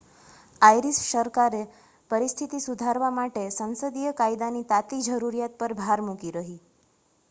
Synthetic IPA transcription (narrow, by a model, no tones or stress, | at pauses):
ajɾisʃəɾkaɾe | pəɾist̪ʰit̪isud̪ʱaɾʋamaʈesə̃ñsəd̪ijəkajd̪anit̪at̪id͡ʒəɾuɾjat̪̚pəɾbʱaɾmukiɾəɦi